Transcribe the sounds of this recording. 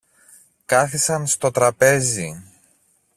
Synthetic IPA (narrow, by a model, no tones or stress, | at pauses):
kɐθisɐnst̪o̞t̪ɾɐpe̞zi